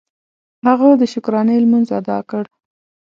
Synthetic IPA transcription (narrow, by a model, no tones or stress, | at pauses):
haɣod̪əʃʊkɾɑnəjlmanzad̪ɑkəɽ